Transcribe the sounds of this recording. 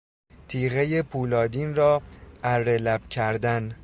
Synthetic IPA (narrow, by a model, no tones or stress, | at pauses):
t̪ʰiːɣejepʰuːlɒːd̪iːnɾɒːæɾːelæb̥cʰæɾd̪æn